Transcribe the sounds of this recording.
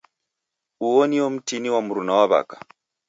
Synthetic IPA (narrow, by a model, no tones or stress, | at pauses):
uwɔniwɔm̩tiniwamuɾunawaβa̰kḁ